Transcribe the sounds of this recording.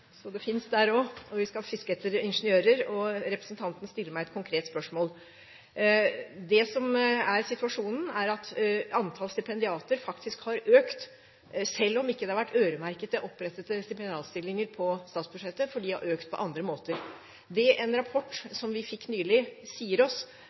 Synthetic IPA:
sɔd̪ɛfɪnsd̪æɾɔɔʋɪskɑfɪskɛt̪əɾɪnʂənɪøːɾəɾɔɾɛpɾəsnt̪ʰɑnt̪ənəst̪ɪlːəmæɪɛt̪̚kʰʊŋkʰɾeːt̪spœʂmoːl | d̪ɛsɔmæɾsɪt̪ʉɑʂuːnn̩æɾɑt̪ɑnt̪ʰɑːlst̪ɪpʰɛnd̪ɪɑːt̪əɾfɑkt̪ɪskhɑɾøːkt̪ | sɛlːɔmɪkːəd̪ɛhɑɾʋæʈːʰøːɾəmæɾkət̪əʔɔpːɾɛt̪ːət̪əst̪ɪpɛnd̪ɪɑːt̪st̪ɪlːɪŋəɾpʰɔst̪ɑːt̪sbʉʂɛt̪ːəfɔɖiːhɑ̰ɾøːkt̪̚pʰɔ̰ʔɑnd̪ɾəmoːt̪əɾ | d̪ɛʔɛnɾɑpʰɔʈːsɔmʋɪfɪkːnyːlɪsiːəɾɔs

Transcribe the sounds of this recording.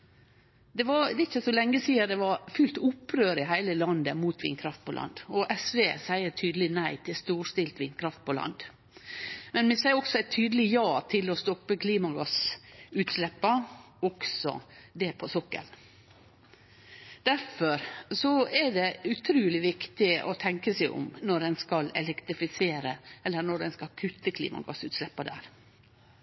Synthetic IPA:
d̪ɛʋɑɾɪt͡ʃːəsɔlɛŋːəsiːəd̪ɛʋɑɾfʉlt̪ʊpːɾøːɾɪɦæɪləlɑnd̪əmuːt̪ʋḭnkʰɾɑft̪̚pʰɔlʔɑ̰nd̪ɔʔɛsʋeːsæɪəʈʰyːd̪əlɪnæɪt̪ʰɪlst̪uːʂt̪ɪlt̪ʋiːnkʰɾɑft̪̚pʰɔlɑ̰nd̪ | mɛnmɛsæɪɔksɔɛt̪ʰːyːd̪əlɪjɑːt̪ʰɪlɔst̪ɔpːəkʰliːmɑɡɑsʉːt̪slɛpːɑ | ɔksɔ̰d̪ɛpʰɔsɔkːə̰l | d̪̥æɾfɔɾsɔɛɖɛʉt̪ʰɾʉːlɪʋɪkt̪ɪʔɔt̪ʰɛŋkəsæɪʔʊ̰mnɔɖɛnskɑlɛ̰lɛkt̪ɾɪfɪseːɾəɛlːəɳɔɖɛnskɑlkʰʉt̪ːəkʰlḭːmɑ̰ɡɑ̰sʉ̰ːt̪slɛpːɑd̪æ̰ːɾ

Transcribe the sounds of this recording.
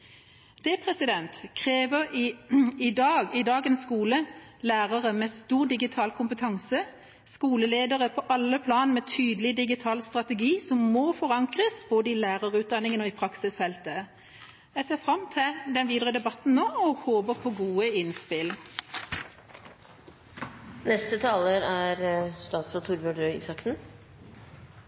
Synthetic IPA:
d̪̥ɛpʰʁɛsɪd̪ɛnt̪kʰʁeːʋəʁɪɪd̪ɑːɡɪd̪ɑːɡənskuːləlæːʁəʁəmɛst̪uːʁd̪ɪɡɪt̪ʰɑːlkʰʊmpət̪ʰɑŋsə | skuːləleːd̪əʁəpʰɔʔɑlːəpʰlɑːnmɛːt̪ʰyːd̪əl̩ɪd̪ɪɡɪt̪ʰɑːlst̪ʁɑt̪ɛɡiːsɔmːɔfɔʁɑŋkʁəsboːd̪əɪlæːʁəʁʉːt̪̚d̪ɑnɪŋənɔːiːpʰʁɑksɪsfɛlt̪ə | jæɡseːʁfʁɑmt̪ʰɪld̪ɛnʋiːd̪ʁəd̪ɛbɑt̪n̩noːɔhoːbəʁpʰɔɡuːəɪnspɪl | nɛst̪ət̪ʰɑːləɾæɾst̪ɑːt̪sɔt̪ʰuɾbʉɖœɪ̰sɑkt̪n̩

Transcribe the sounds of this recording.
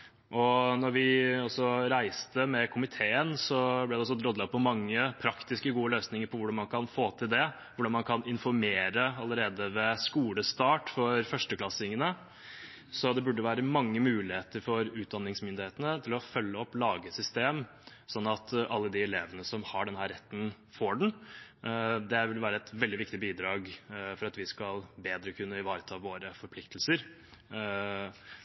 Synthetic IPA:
ʔɔnɔɾʋɪɔsɔɾæɪst̪əmɛkʰʊmɪt̪ʰeːənsɔblɛd̪ɛɔs̬ɔd̪ɾɔd̪lɑpʰɔmɑŋːəpʰɾɑkt̪ɪskəɡuːəløːsnɪŋəɾpʰɔʋʊɖɑnmɑnkʰɑnfoːt̪ʰɪld̪ɛ | ʋʊɖɑnmɑnkʰɑnɪnfɔɾmeːɾəɑləɾeːd̪əʋɛskuːləst̪ɑːʈfɔɾfœʂʈəklɑsɪŋːənə | sɔd̪ɛbʉɖːəʋæːɾəmɑŋːəmʉːlɪheːt̪əɾfɔɾʉːt̪̚d̪ɑnːɪŋsmʏnd̪ɪheːt̪ənət̪ʰɪlɔfœlːəɔpːlɑːɡəsʏst̪eːm | sɔnːɑt̪ʔɑlːəd̪ɪɛleːʋənəsɔmhɑɖɛnɦæːɾɛt̪ːn | foːɖɛɳ̩ | d̪ɛʋɪlʋæːɾəɛt̪ʋɛld̪ɪʋɪkt̪ɪbiːd̪ɾɑːɡfɔɾɑt̪ʋɪskɑlbeːd̪ɾəkʰʉnːəɪʋɑːɾət̪ʰɑːʋoːɾəfɔɾpʰlɪk̚t̪ʰlsəɾ

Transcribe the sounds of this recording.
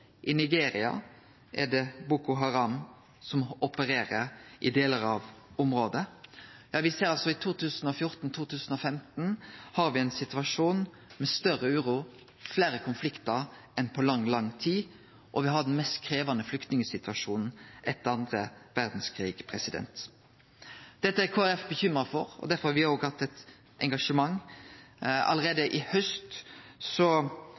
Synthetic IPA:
ʔɪnɪɡeːɾɪɑ̰ | ʔɛɖɛbukʊɦɑʁɑm | sɔmɔpəɾeːɾəɾʔɪd̪eːləɾɑʋʊmɾoːd̪əjɑːʋɪseːɾɑlsɔɪt̪ʰuːt̪ʰʉːsn̩ɔfjʊɾt̪n̩t̪ʰuːt̪ʉːsn̩ɔfɛmt̪n̩hɑɾʋɪɛɪnsɪt̪ʋɑʂuːn | mɛst̪œʁəʉːɾuː | fleːɾəkʰʊnflɪkt̪əɾ | ʔɛnpʰɔlɑŋlɑŋːt̪ʰiː | ʔɔʋɪɦɑd̪nmɛst̪kʰɾeːʋɑnəflʏkt̪nɪŋəsɪt̪ʉɑʂuːnn̩ʔɛt̪ːəɾɑnd̪ʁəʋæʁd̪n̩skʰɾiːɡ̥pʰʁɛsɪd̪ɛ̰nt̪ | d̪̥ɛt̪ːəæɾkʰoːæʁɛfbəçʏmɾɑfɔʁɔ̰d̪æʁfɔɾhɑɾʋɪoːɡhɑt̪ːɛt̪ | ʔɛŋɡɑʂəmɑŋ | ɑ̰ləʁeːd̪əʔɪhœst̪sɔ

